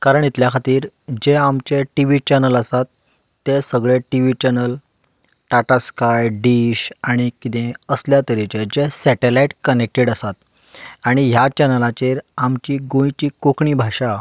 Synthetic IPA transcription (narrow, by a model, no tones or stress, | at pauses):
kaɾəɳit̪ljakʰat̪iːɾd͡ʑeamt͡ɕeʈiʋit͡ɕɛnələsat̪ː | esəɡɭeʈiʋit͡ɕɛnəl | ʈaʈaskajɖiɕaɽ̃ikit̪ẽəsljat̪əɾit͡ɕed͡ʑesɛʈelaiʈkənek̚ʈeɽəsat̪ | aɽ̃ijat͡ɕɛnəlat͡ɕeɾamt͡ɕiːɡõjt͡ɕiːkokɳiːbʱaɕa